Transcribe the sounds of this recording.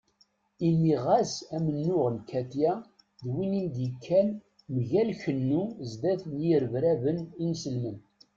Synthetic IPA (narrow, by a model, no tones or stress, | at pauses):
inːiʁæsæmənːʊʁənkʰæt̪jæ | ðwinind̪ikʰːæn | məʝælçənːuzd̪æθnjiɾəvɾævəninsəlmən